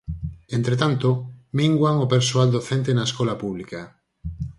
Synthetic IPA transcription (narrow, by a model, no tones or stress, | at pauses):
ent̪ɾet̪ant̪omiŋɡwaŋopeɾsoald̪oθent̪enaeskolapuβlika